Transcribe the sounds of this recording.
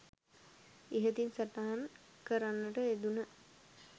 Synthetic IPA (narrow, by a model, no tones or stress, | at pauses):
iɦət̪insat̪aɦan | kəɾanːəʈəed̪unə